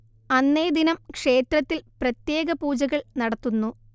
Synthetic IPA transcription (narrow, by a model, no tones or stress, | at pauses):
ɐnːe̞ːd̪inɐmkʂe̞ːt̪rɐt̪ːilprɐt̪je̞ːɡɐpuːd͡ʑɐɣɐɭnɐɽɐt̪ːunːu